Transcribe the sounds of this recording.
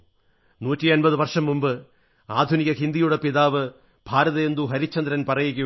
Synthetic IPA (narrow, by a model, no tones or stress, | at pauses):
nuːtːiɐnbɐðɨʋɐrʂɐmːumbɨ | aːd̪ʱuniɣɐɦind̪ijuɽepiðaːʋɨ | b̥ʱaːɾɐðɐːnd̪uɦɐɾit͡ɕːɐnd̪ɾɐnpɐrɐjikʲːu